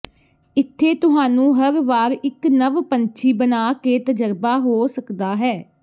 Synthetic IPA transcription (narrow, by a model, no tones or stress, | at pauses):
ɪt̪ʰːeːt̪ʊɦaːnũːɦəɾʋaːɾɪknəʋpəɲt͡ʃʰiːbənaːkeːt̪əd͡ʒəɾbaːɦoːsəkd̪aːɦɛː